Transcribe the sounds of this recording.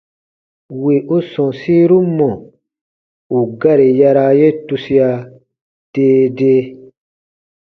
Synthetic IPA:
wi˨u˦sɔ̃˨siː˦ɾu˦mɔ̃˨ | u˨ɡa˦ɾi˨ja˧ɾa˧je˦tu˧si˦a˧ | d̥eː˦deː˦

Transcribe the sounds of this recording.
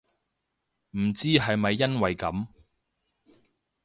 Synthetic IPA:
m̩˨˩t͡siː˥ɦɐ˨jmɐ˨jːɐ˥nwɐ˨jkɐ˨˥m

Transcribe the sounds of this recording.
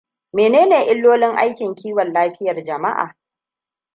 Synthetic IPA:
meː˨neː˦neː˨ʔɪ˦lːoː˦lɪ˦ŋʔa˦jkʲɪ˨ŋkʲʰiː˦wɔ˨nlaː˦ɸɪ˦jɐ˨rd͡ʒɐ˨ma˦ʔa̰ː˨

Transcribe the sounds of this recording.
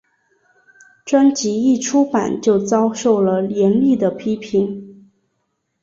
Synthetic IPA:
ʈ͡ʂwa˥nt͡ɕi˧˥i˥˩ʈ͡ʂʰu˥pa̰˨˩nt͡ɕjo˥˩ʊt͡sɑ˥ʊʂo˥˩ʊlə˩ljɛ˧˥nli˥˩d̪ə˩pʰi˥pʰi˧˥n

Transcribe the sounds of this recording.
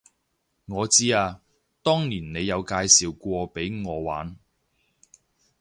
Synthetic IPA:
ŋɔː˨˧t͡siː˥aː˧ | t̪ɔː˥ŋniː˨˩nne˨˧jjɐ˨˧wkaː˧jsiː˨wkʷɔː˧pe˨˥jŋɔː˨˧wa̰ː˨˥n

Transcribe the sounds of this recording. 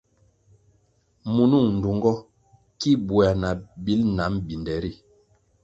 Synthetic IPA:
mu˨nu˦˨ŋn̩˨du˨ŋɡɔ˦ | ki˦bu˨a˨na˨bi˦lna˨˦mbi˨ndɛ˨˦ɾi˦˨

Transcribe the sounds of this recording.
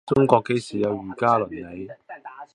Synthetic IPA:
t͡sʊ˥ŋkɔː˧kːe˧jsiː˨jɐ˨˧wjyː˨˩kaː˥lɵ˨˩nle˨˧j

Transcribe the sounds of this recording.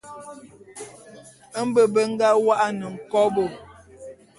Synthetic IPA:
ə˦m̩˦bə˦bə˦ŋ̩˦ɡa˦wa˦ʔa˦nə˨ŋ̩˨kɔ˦bo˨

